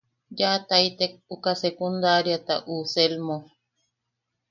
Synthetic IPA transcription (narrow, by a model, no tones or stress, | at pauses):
d͡ʒat̪ajt̪ek̚ukasekund̪aɾjat̪a̰ʔuselmo